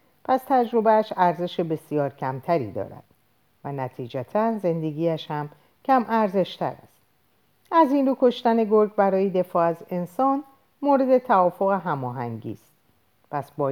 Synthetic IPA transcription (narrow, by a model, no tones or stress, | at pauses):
pʰæst̪ʰæd͡ʒɾo̞beæʃæɾze̞ʃebe̞sijɒːɾcʰæmt̪ʰæɾḭːd̪ɒ̰ːɾæ̰d̪̥ | vænæt̪ʰiːd͡ʒæt̪ʰænze̞nd̪e̞ɡʲiːæʃhæm | cʰæmʔæɾze̞ʃt̪ʰæ̰ɾæ̰st̪̚ | æzinɾuːkʰo̞ʃt̪æne̞ɡoɾɟbæɾɒːjed̪e̞fɒːæze̞nsɒːn | moːɾe̞d̪e̞t̪ʰævɒːfo̞ɣeɦæmɒːɦæ̰ŋɟḭːst̪̚ | pʰæsbɒː